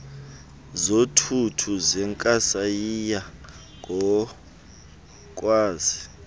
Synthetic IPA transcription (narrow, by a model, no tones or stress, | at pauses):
zotʰutʰuzɛŋkʼasajija | ŋʱɔ | k̬ʼwaːzi